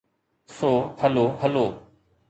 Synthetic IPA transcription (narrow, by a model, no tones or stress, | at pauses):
soːhəloːɦəloː